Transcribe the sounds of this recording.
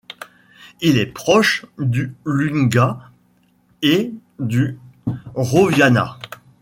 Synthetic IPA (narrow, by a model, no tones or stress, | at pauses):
ilɛpχɔʃd̪ylyŋɡa | e | d̪y | ʁovjana̰